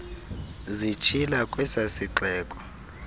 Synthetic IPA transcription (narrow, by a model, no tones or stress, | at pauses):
zit͡ʃʰilakʼwɛsasiǁɛːkʼɔ̥